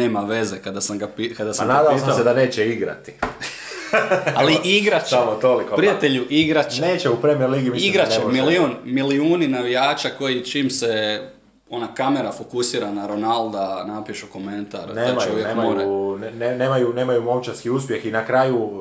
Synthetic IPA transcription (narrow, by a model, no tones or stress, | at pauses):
neːmaʋe̞ze̞kad̪asamɡapikad̪asanaːd̪aosamsed̪aneːt͡ɕeiɡɾa̰t̪i̥ | aliiɡɾat͡ʃsamot̪olikopɾijat̪eʎuʔiɡɾat͡ʃneːt͡ɕeupɾemieɾliːɡimiiɡɾaemiliunmiliuːninaʋijaːt͡ʃako̞jit͡ʃiːmse̞ | o̞nakame̞ɾafokusiːɾanaɾo̞nalˠd̪anapiʃuko̞me̞nt̪a̰ɾneːamaoʋjeeːaoːɾanneneːmajune̞ːmajumomt͡ʃaɾskiuspje̞xinakɾaːju